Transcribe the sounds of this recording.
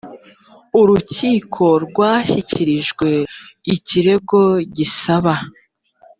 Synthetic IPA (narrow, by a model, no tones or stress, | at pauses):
uɾuciːkʰo̞ɾɡwaːçiciɾiʒɡwe̞iciɾe̞ɡo̞ɟisaβa